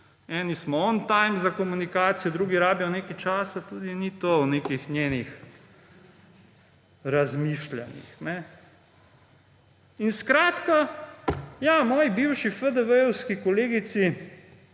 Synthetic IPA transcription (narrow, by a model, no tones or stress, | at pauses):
ɛːnismɔɔnt̪ajmzakɔmunikaːt̪sijɔd̪ɾuːɡiɾaːbijɔneːkat͡ʃaːsat̪uːd̪init̪owneːkixnʲjeːnix | ɾazmiːʃla̰nḭxnɛ | inskɾaːt̪ka | jamɔːjibiwʃifəd̪əʋəwskikɔleːɡit̪si